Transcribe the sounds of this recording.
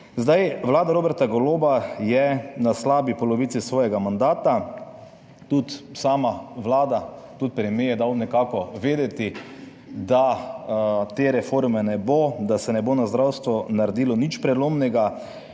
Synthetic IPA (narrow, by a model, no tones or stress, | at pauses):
zd̪ajʋlaːd̪aɾoːbɛɾt̪aɡɔloːbajɛnaslaːbipɔlɔʋiːt̪sisʋɔːjɛɡamand̪aːt̪a | t̪ut̪saːmaʋlaːd̪at̪ut̪̚pɾɛmejɛd̪awnɛkaːkɔʋeːd̪ɛt̪i | d̪a | t̪eːɾɛfoɾmɛnɛbod̪asɛnɛbonazd̪ɾawst̪ʋɔnaɾɛd̪iːlɔnit͡ʃpɾɛloːmnɛɡa